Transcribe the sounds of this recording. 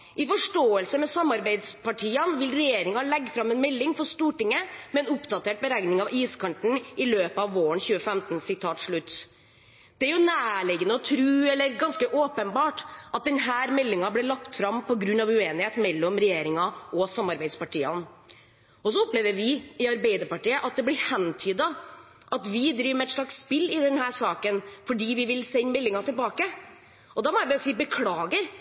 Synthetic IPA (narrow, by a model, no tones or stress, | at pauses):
ʔɪfɔʂʈoːəlsəmɛsɑmːɑɾbæɪd̪spɑʈʰiːənʋɪlɾɛjeːɾɪŋɑlɛɡːfɾɑmɛnmɛlːɪŋfɔɾʂt̪uːʈɪŋːəmɛɛnʊpd̪ɑt̪ʰeːʈ̚bəɾæɪnɪŋɑʋiːskʰɑɳʈ̪ɳ̩ʔɪløːpəɑʋʋoːɾəɳçʉːəfɛmt̪n̩sɪt̪ʰɑːt̪ʂɭʉt̪ː | d̪̥ɛæɾjʊnæːɭɛːɡənəɔt̪ʰɾʉːɛlːəɾɡɑnskəʔoːpənbɑːʈʔɑt̪̚d̪ɛnɦæːɾmɛlːɪŋɑblɛɭɑkt̪fɾɑmpɔɡɾʉnːɑʋʉeːnɪheːt̪mɛlːɔmɾɛjeːɾɪŋɑɔsɑmːɑɾbæɪd̪spɑʈʰiːɑn | ɔsɔɔpleːʋəɾʋɪɪɑɾbæɪd̪əɾpɑʈiːəʔɑt̪̚d̪ɛblɪɾhɛnt̪ʰyːd̪ɑ | ʔɑt̪ʋɪd̪ɾiːʋmɛt̪ʂɭɑksspɪlːɪd̪ɛnɦæːɾʂɑːkənfɔɖiːʋɪʋɪlsɛɲːmɛlːɪŋɑt̪ʰɪlbɑːkə | ʔɔd̪ɑːmɔɛʋɪsiːbəkʰlɑːɡəɾ